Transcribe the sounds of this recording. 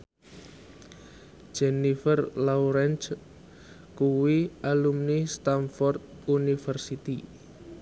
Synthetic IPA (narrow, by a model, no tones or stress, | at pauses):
d͡ʒɛnifərlawɾɛnt͡ʃ | kuwiʔalumnist̪anfɔrt̪̚unifərsit̪i